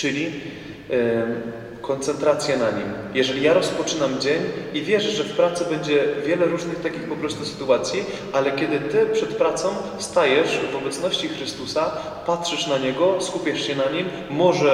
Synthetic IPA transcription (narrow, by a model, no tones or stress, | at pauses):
t͡ʂɘlʲi | kɔnt̪sɛnt̪ɾat̪sʲjɛnaɲimjɛʐɛlʲijaɾɔspɔt͡ʂɘnamd͡ʑeɲivʲjɛʐʐɛfpɾat̪sɛbɛɲd͡ʑɛvʲjɛlɛɾuʐnɘxt̪akʲixpɔpɾɔst̪usɘ̥t̪uat̪sʲji | ʔalɛkʲɛd̪ɘt̪ɘpʂɛt̪pɾat̪sɔ̃w̃fst̪ajɛʂvɔbɛt̪snɔɕt͡ɕixɾɘst̪usa | patʂɘʂnaɲɛɡɔskupʲjɛʂɕɛnaɲimː | ɔʐɛ